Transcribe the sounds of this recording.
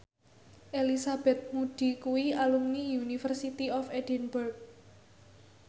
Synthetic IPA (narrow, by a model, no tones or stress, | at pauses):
ʔelisab̥ɛ̤t̪̚muɖ̪̥i̤kuwialuŋnijunifərsit̪iɔfed̥ɛ̤nburɡ̚